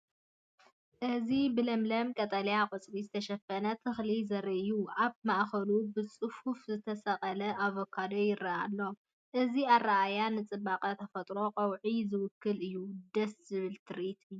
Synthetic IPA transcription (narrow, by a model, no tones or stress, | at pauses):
ʔɨzibɨlɐmlɐmkʼɐt̪ʼɐlijaqʼɨt͡sʼɾizɨt̪ʰɐʃɐfɐnɐt̪ʰɨxlizɐɾɐʔɨjuaβmaʔxɐlubɨt͡sʼɨhufzɨt̪ʰɐsɐqʼɐlɐʔaβokʰad̪ojɪɾɐʔalːo̞ | ʔɨziaraʔajanɨt͡sʼɨbaqʼɐt̪ʰɐfɐt̪ʼɾo̞qʼɐwʕizɨwʊkʰːɨlɨjːud̪ɐszɨβɨlt̪ʰɨɾit̪ʰɨ